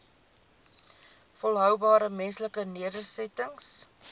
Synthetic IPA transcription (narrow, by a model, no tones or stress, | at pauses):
fɔlˠɦœwbɑːɾəmɛnsləkəniədərsɛtəŋs